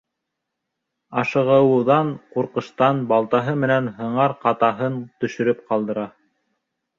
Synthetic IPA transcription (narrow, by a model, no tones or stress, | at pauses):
ɑʃɤ̆ʁɤ̆wɤ̆ðɑɴquɾqɤ̆ʃt̪ɑnbɑlˠt̪ɑɦɤmɘ̆nænɦɤ̆ɴɑɾqɑt̪ɑɦɤnt̪ɵ̆ʃɵ̆ɾɵpqɑlˠd̪ɤ̆ɾɑ